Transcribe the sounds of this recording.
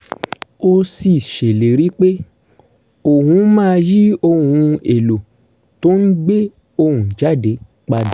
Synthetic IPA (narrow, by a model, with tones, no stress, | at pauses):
o˧si˨ʃe˨le˨ɾi˨˦k͡pe˦ | o˨hũ˨˦mãː˦˧ji˦o˧hũ˧ḛ˨lo˨ | to˦n̩˦ɡ͡be˦ | o˧hũ˨d͡ʒa˦˨de˨˦ | k͡pa˧d